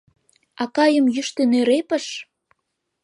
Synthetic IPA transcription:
ɑkɑjəmjyʃt̪enøɾepə̆ʃ

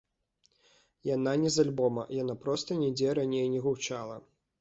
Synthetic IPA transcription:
jananʲɛzalʲbɔmɐ̰janapɾɔst̪ɐnʲɛd͡zʲɛɾanʲejnʲɛɣuwt͡ʂalˠɐ

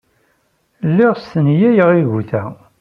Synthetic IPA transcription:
lːɪʁst̪ənjæjəʁiʝuθæ

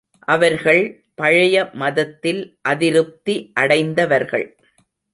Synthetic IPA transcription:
ʔɐʋɐɾɣɐɭ | pɐɻɐjɐmɐðɐt̪ːɪlʔɐðɪɾɯp̚t̪iʔɐɽɐɪnd̪ɐʋɐɾɣɐ̰ɭ

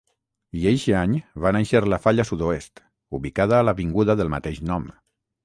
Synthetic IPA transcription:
iejʃaɲβanejʃəɾlafaʎasuðoest̪ | uβikaðaːləβiŋɡuðəðəlˠma̰t̪eʒnɔm

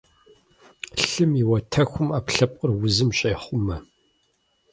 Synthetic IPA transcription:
ɬɨmiwɐtʰɐxʷʊmaːpɬɐpʼərwʊzɨmɕʼeːχʷʊmɐ

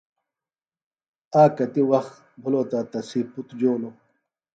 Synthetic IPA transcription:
aːkɐt̪iwɐxt̪ | bʱuloːt̪aːt̪ɐsiːput̪d͡ʑoːlo

